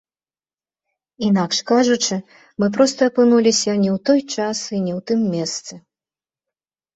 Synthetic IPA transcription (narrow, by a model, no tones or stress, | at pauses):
inakʂkaʐut͡ʂɨ | mɨp̬ɾɔst̪ɐːpɨnulʲisʲɐnʲɛwt̪ɔjt͡ʂasinʲɛwt̪ɨmːʲɛst̪sɨ